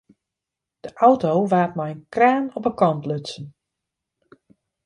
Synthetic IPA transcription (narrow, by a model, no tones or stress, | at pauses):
d̥əʔawtowʋaːt̚majənkraːnɔpəkɔnpløsn